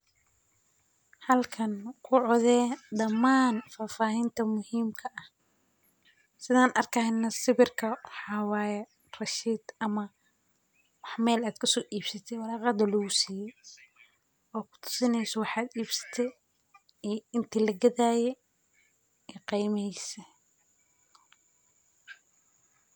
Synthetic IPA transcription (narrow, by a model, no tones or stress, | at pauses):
hɐlkʰɐnkʰʊʕɔðɛːɖɐmaːnfaːfaːɦint̪ʰɐmʊhiːmkʰɐʔɐh | sɪðaːnʔɐrkʰɐhɪnːɐsɪβɪrkʰɐwɑħɑːwɑːjɛ | rɐʃiːd̪̥ɐmɐ | wɑħmɛːlaːd̪kʰʊsɔːʔiːbsɐt̪ʰɛwɑɾɑːqɑd̪ɐlɔɣʊsiːjɛj | ɔːkʰʊ̥t̪ʰʊ̥sɪnɛjsɐwɑħɑːd̪iːbsɐ̥t̪ʰɛj | ɛɪnt̪ʰiːlɐɡɐðaːjɛ | ɛːqijmɛjsɛ